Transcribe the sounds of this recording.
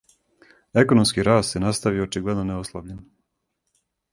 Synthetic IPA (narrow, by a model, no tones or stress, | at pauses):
e̞ko̞nomskiɾaːst̪jenast̪aʋioot͡ʃiɡle̞d̪noneoslˠaʋʎen